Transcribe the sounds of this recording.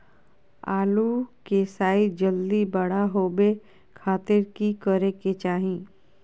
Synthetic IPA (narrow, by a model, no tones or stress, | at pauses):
a̰ːlukeːsaːid͡ʒəld̪ibəɽaɦoːbe | kʰaːt̪ɪɾkikəɾeket͡ʃaːɦĩː